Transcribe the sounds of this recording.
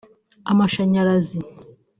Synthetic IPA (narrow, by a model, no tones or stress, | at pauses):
a̰maʃaɲaɾazi